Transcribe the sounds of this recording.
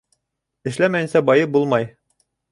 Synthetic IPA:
ɘ̆ʃlæmæjɘ̆nsæbɒjɤbulˠmɑj

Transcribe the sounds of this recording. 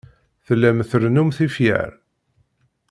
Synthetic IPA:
θəlːæmθəɾnumθifjæ̰ɾ

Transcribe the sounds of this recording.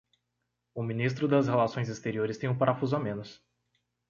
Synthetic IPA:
ʊmĩnist̪ɾʊd̪ɐshelasõj̃zɪst̪eɾioɾɪst̪ẽj̃ʊ̃paɾafuzʊamẽnʊs

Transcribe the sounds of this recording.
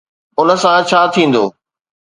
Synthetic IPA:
ʊnə̆sãt͡ɕʰaːt̪ʰĩːn̆d̪oː

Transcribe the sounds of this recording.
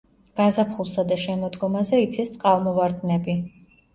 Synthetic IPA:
ɡ̥azapʰχulˠsad̪aʃɛmɔd̪ɡɔmazɛit̪sʰist̪sʼqʼalmɔvaɾd̪nɛbi

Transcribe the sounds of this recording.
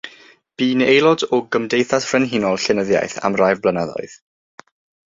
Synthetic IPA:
b̥iːnejlˠɔdɔɡəmdejθasfrɛnɦinɔlˠɬɛnəðja̰jθa̰mrajvblənaðɔ̰ɨð̥

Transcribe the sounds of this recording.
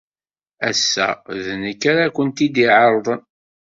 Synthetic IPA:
æsːæ̰ðnəkːaɾakʷənt̪id̪iʕəɾˤðˤən

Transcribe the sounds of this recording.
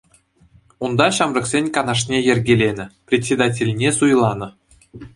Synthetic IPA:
und̪ɑɕɑmrɤ̆ksʲenʲkɑnɑʂ̬nʲejɘ̆rʲɡʲelʲenʲɘ̆prʲetʲsʲed̪ɑtʲelʲnʲesujlˠɑnɤ̆

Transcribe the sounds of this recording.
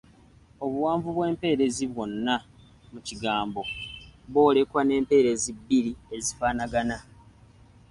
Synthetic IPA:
o̞βuwaːɱvuβwe̞ːmpe̞ːɾe̞ziβwo̞nːa | muciɡaːmbo̞βo̞ːle̞kwane̞ːmpe̞ːɾe̞zibːiɾie̞zifaːnaɡana

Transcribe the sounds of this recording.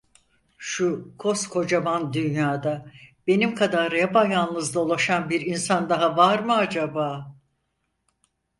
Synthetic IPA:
ʃukʰo̞skʰo̞d͡ʒamand̪ynjaːd̪ab̥e̞nimkʰad̪aɾebajanlˠɯzd̪aolˠaʃanbiɾinsand̪aɦavaɾmɯad͡ʒabaː

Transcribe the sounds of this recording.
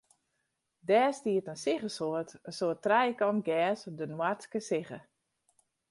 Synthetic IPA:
dɛːstiətənsɪɣəsoətənsoətrɛjkɔnɡɛːsdənwarskəsɪɣə

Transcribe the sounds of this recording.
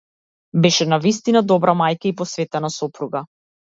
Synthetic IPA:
bɛʃɛnavist̪inad̪ɔbɾamajkaipɔsvɛt̪ɛnasɔpɾuɡa

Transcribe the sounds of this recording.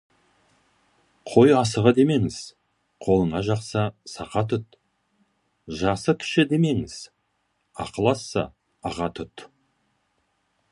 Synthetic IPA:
qʰo̞jɑsəʁəd̪e̞me̞ŋɪz̥ | qʰo̞lˠəɴɑʒɑqsɑsɑqɑt̪ʰʊt̪ | ʒɑsəkʲʰɪ̥ʃɪd̪e̞me̞ŋɪz̥ | ɑ̰qəlˠɑsːɑ̰ | ɑʁɑt̪ʰʊt̪

